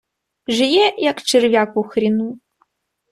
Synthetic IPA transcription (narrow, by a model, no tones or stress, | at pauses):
ʐɨjɛjakt͡ʃʰɨrvʲjakʷʼuxrinu